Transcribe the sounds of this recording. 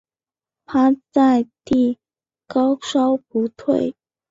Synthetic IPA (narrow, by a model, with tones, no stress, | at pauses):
t̪ʰa˥t͡sa˥˧ɪt̪i˥˩ | kɑ˥ʊʂɑ˥ʊpu˧˥t̪ʰwe˥˩ɪ